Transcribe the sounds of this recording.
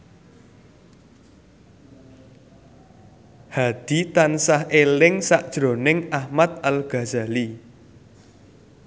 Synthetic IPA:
had̪̥i̤t̪ansahʔelɪŋsaʔd̥ʒ̥ɾo̤nɪŋahmat̪̚alɡ̥a̤za̤li

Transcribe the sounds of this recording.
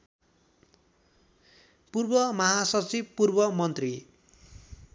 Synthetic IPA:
purbʌmʌɦasʌt͡sib̚purbʌmʌnt̪ri

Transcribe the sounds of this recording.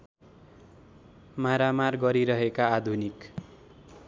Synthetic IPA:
maɾamarɡʌɾiɾʌɦekaːd̪ʱunik

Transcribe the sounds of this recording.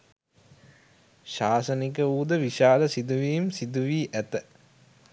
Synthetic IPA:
ʃaːsənik̬əuːd̪əʋiʃaːləsid̪uʋiːmsid̪uʋiːʔæt̪ə

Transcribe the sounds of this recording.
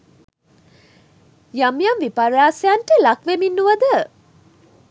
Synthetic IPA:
jamjamʋipaɾaːsjanʈelakʋeminːuʋəd̪ə

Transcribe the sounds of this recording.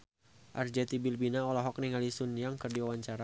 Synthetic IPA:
ʔard͡ʒat̪ibilbinaɔlaɦɔk̚niŋalisʊnjaŋkərdiwawaɲt͡ʃaɾa

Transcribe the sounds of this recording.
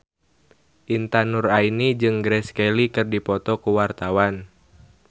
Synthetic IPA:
ʔint̪anurainid͡ʒɨŋɡɾɛskɛlikɨrdipɔt̪ɔkuwart̪awan

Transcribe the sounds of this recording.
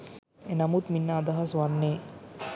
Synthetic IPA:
enɐmut̪minːaːd̪ɐɦɐsʋanːeː

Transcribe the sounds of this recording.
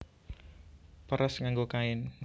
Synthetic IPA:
pəɾəsŋaŋɡokaɪn

